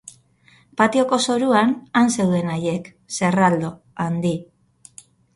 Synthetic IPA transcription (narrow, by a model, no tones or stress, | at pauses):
pat̪io̞ko̞so̞ɾuananse̞wðe̞naje̞k | se̞rald̪o̞ | and̪i